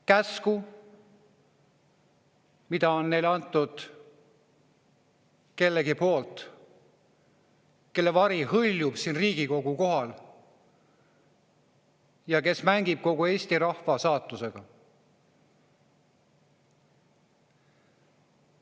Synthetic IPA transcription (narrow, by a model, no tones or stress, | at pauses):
kæsku | mid̪̥ɑo̞nːe̞jlɑnt̪ːˑud̪̥ | ke̞lːeɡipo̞ːlt̪ˑ | ke̞lːe̞vɑɾihɤlʲjub̥siːnriːɡ̥iko̞ɡ̥uko̞ɦɑl | jɑke̞smæŋɡ̥ib̥̚ko̞ɡue̞ːsʲt̪iɾɑhfɑsɑːt̪ːˑuse̞ɡ̥ɑ